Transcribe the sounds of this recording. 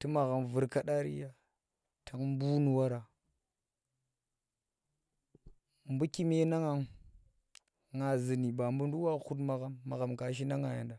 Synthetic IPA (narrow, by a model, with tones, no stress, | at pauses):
ti˦ma˨ɣa˨mvu˨ɾka˦ɗa˦ɾḭ˦ja˦ | tʰa˨ŋ˦bu˦nu˨wa˦ɾa˨ | mbu˦ki˦me˦na˦ŋa˨ŋ | ŋa˨zi˨ni˨ba˨mbu˦n˦du˦wa˦xu˦t̬ma˨ɣa˦mːa˨ɣa˨mka˨ʃ̬i˦na˦ŋa˨ja̰˨nda˨